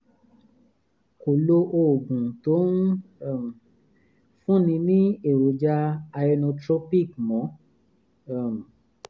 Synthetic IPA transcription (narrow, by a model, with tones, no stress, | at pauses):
ko˨lo˧ʔo˦˨ɡũ˨to˨˦n˦˨m˨ | fũ˦nĩ˧nĩ˦e˦˨ɾo˨d͡ʒa˧a˧jɛ˧nõ˧tɾɔ˦pi˦˨kmɔ̃˨˦˨ | m̩˨